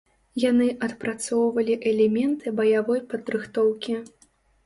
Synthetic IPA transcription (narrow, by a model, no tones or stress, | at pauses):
janɨʔɐt̪pɾat̪sɔwvɐlʲiʔɛlʲɛmʲɛnt̪ʰɨbɐjavɔjpɐd̪ɾɨxt̪ɔwkʲi